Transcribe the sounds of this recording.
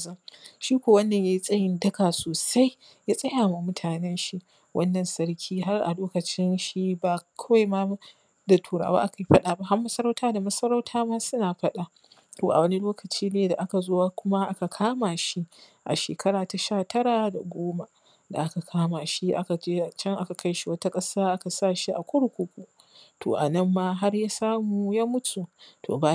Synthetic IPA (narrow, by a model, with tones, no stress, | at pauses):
zɐ˦ʃiː˦kʷoː˨wɐ˦nːɐ˨ɲjaː˦ji˦sʼɐ˦jɪ˦ndɐ˦ɡa˨soː˨sa˦j | jaː˦sʼɐ˦jaː˨ma˨mʊ˦tʰaː˨nɛ˦nʃi˦ʔ | wʔɐ̰˦nːɐ˨nsɐ˦ɽkʲʰiː˦ɦa˦rʔa̰˨loː˦kɐ˨t͡ʃɪ˦nʃi˦baː˨kʰɐ˦wa˦jma˦ | da˨tʰuː˨ɾa̰ː˨wa̰ː˦ʔa˦ka˨ji˦ɸɐ˦ɗaː˨ba˦˨ha˦mːɐ˦sɐ˦ɾa˦wtʰaː˦da˨mɐ˦sɐ˦ɾa˦wtʰaː˦maː˦sʊ˦naː˨ɸɐ˦ɗa˨ | toː˨ʔa̰˨wɐ˦ni˦loː˦kɐ˨t͡ʃiː˦neː˨da˨ʔa˦ka˨zoː˦waː˦kʷʊ˦ma˦ʔa˦ka˨kʰaː˦maː˨ʃi˦ʔa̰˨ʃḛː˨kʰɐ˦ɽaː˨ta˨ʃaː˦˨tʰɐ˦ɽaː˨da̰˨ɡʷoː˦ma˨ | da̰˨ʔa˦ka˨kʰaː˦maː˨ʃi˦ʔa̰˦ka˨d͡ʒeː˦a˨t͡ʃɐ˦ŋʔa˦ka˨ka˦jʃi˦wɐ˦ta˦kʼɐ˦saː˦ʔa˦ka˨saː˦˨ʃi˦ʔa˨kʷʊ˦ɽu˨kʷu˦kʷu˦ | tʰo̰ː˨ʔa̰˨nɐ˦˨mːaː˦ɦa˦rjaː˦saː˦mu˨jaː˦mʊ˦tʰu˨tʰo̰ː˨ba˨